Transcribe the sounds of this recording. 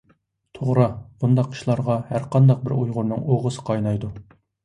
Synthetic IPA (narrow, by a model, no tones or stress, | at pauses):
t̪ʰoʁɾɑb̥und̪ɑqʰːi̥ʃlˠɑɾʁɑhæɾqɑnd̪ɑq̚bɪɾujʁʊɾnɨ̰ŋoʁəsɨ̥qʰɑjnɑjd̪u